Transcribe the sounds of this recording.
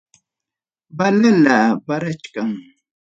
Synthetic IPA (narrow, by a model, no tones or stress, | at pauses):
balalabaɾat͡ʃkaŋ